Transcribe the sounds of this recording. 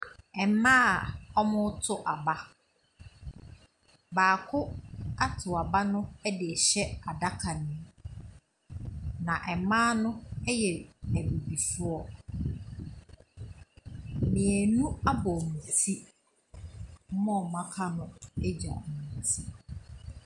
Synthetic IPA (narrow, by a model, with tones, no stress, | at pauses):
ɛ˨˦mãː˦˨ɔ˦mʊ̃˦tʰʊ˨ʔa˨ba˦ | baː˨kʰʊ˦a˦tʰʊ˨a˨ba˦nʊ̃˦ɛ˦dɪ˨ɛ˨ɕɛ˦a˨da˦kʰa˨nɪ̃˦ | nã˨ʔɛ˨mãː˦nʊ̃˦ɛ˦jɛ˨æ˨bu˨bi˨fʊ˦ɔ˦˨ | mɪ̃˨æ˨nũ˦a˦bɔ˨ñ̩˨tʰi˦ | m̩˦mɔ̃˦˨mã˦kʰa˦nʊ̃˦ɛ˦d͡ʑa̰˨ĩ˨n˨tʰi˦